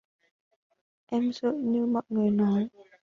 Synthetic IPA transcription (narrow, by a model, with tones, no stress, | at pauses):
ʔɛ˧mzə̰ː˧˨ɲɨ˧mɔ̰˧˨jŋɨ˨˩əjnɔ˨˦j